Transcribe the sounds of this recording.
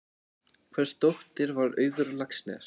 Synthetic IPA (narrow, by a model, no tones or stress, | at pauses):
kʰvɛɾ̥st̪owht̪ɪɾvaɾœ̰ːɥðʏɾlaksnɛ̰s